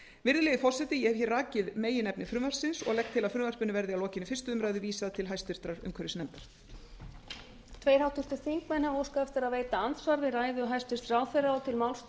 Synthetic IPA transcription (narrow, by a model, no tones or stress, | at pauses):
vɪɾðɪlɛðɪfɔr̥sɛt̪ɪjɛçjɛrraːcɪðmeːjɪnɛpnɪfɾʏmvar̥sɪnsɔ̰ɣlɛk̚t̪ʰːɪlaðfɾʏmvaɾ̥pʏnɪvɛɾðɪalɔːcɪnːɪfɪr̥st̪ʏʏmɾaːjðʏviːsaðt̪ʰɪlɦajst̪ɪɾ̥t̪ɾaɾʏ̰mkʰœɾɪsnɛmt̪aɾ̥t̪ | t̪ʰveːjɾhawt̪ʰʏɾ̥t̪ɪ̥θiŋkmɛnavowskaɛft̪ɪɾaðveːjt̪aansvaɾvɪðraːjðʏɦajst̪ɪɾ̥t̪rawθejɾaɔt̪ʰɪlmawlst̪